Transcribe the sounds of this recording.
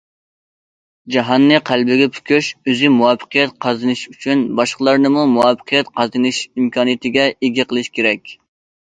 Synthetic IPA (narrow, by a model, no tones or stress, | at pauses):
d͡ʒɑɦɑnːɨqʰælbɪɡʲɛpʰy̥kʲʰyʃøzɪmuwɑfːə̥qəjɛt̪̚qʰɑzɨnɨʃyt͡ʃʰynbɑʃqəlˠɑɾnɨmumuwɑfːə̥qʰijɛt̪qʰɑzɨnɨʃimkʰɑːnɨjɪt̪ʰɪɡʲɛeɡʲiqʰəlˠɨʃkʲʰeɾɛkʲ